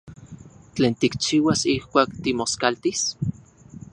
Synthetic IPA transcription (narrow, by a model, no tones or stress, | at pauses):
t͡ɬeːnt̪ikt͡ʃiːwasihkʷaːkt̪imoskalt̪is